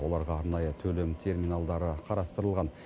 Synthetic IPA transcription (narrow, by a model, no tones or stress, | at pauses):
wo̞lˠɑɾʁɑɑɾnɑjət̪ʰɵlemt̪ʲʰe̞rminalˠd̪ɑɾəqʰɑɾɑst̪əɾəlˠʁɑn